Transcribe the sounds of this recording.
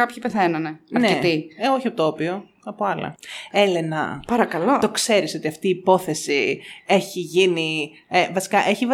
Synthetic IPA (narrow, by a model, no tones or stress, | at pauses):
ɐpçipeθenɐneɐnɾeet̪io̞çiɐpot̪oopio̞ | ɐpoɐlɐ̰e̞le̞nɐ̰pɐɾɐkɐlot̪o̞kse̞ɾiso̞t̪iɐft̪iːpo̞θe̞sie̞çiʝini | evɐsi̥kɐʔe̞çiv